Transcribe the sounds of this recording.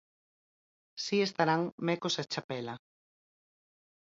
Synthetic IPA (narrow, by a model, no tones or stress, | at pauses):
siest̪aɾaŋmekosat͡ʃapɛla